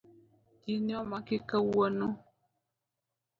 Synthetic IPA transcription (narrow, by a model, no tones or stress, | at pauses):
injɔmakɪkəwənu